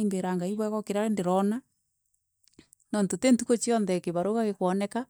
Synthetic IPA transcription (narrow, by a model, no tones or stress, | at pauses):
imbeɾaŋɡaiβwɛɣɔkeɾaɾendeɾɔna | nɔntotentukot͡ʃiɔnðɛkeβaɾoɣaɣekwɔnɛka